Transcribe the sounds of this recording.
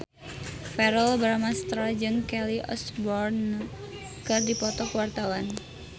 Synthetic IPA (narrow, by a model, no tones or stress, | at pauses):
fɛɾəlbɾamast̪ɾad͡ʒɨŋkɛliʔɔ̰sbɔrn | kɨrdipɔt̪ɔkəwart̪awan